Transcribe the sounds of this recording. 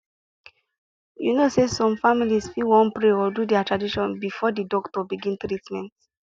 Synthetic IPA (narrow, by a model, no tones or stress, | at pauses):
junosesɔ̃mfamilisfilwɔ̃npɹeɔdudɛatʰɹadiʃɔ̃nbifɔdidɔktɔbiɡĩntɾitmɛ̃nt